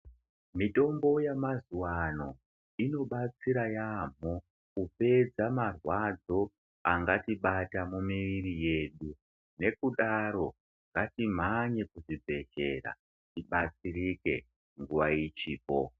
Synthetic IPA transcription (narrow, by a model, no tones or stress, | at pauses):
mito̞mbo̞jamazuwano̞ | ino̞ɓat͡siɾajam̤o | kupe̞d͡zamarwad͡zo̞ | aŋɡatiɓatamumiʋiɾije̞ːɗu | ne̞kuɗaɾo̞ | ŋɡatim̤aɲe̞kuʐibʱe̞ʒe̞̰ɾa̰ | tiɓat͡siɾike̞̰ | ŋɡuʋait͡ʃiːpo̰